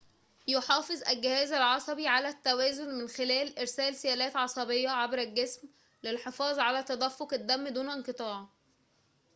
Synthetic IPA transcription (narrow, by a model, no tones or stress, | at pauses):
joħɑːfɨzˤʔælɡɪhæːzælʕɑsˤɑbiʕalæt̪ːæwæːzonmɪnxelæːlʔeɾsæːlsejæːlæːt̪ʕɑsˤɑbejːɑʕabɾælɡesm | lɪlħefɑːzˤʕalæt̪æd̪æfːokæd̪ːæmːd̪uːnɪnqɨt̪ˤɑːʕ